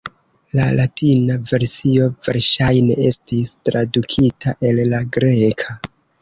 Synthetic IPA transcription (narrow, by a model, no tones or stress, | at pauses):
la̰latinave̞ɾsio̞ve̞ɾʃajne̞e̞stistɾadukʰitʰaʔe̞lːaɡɾekʰa